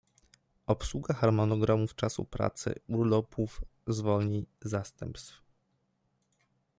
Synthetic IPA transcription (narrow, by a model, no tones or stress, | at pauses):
ɔpswuɡaxaɾmɔnɔɡɾamuft͡ʂasṵpɾa̰t̪sɘ̰uɾlɔpʰufzvɔlɲizast̪ɛmpst̪f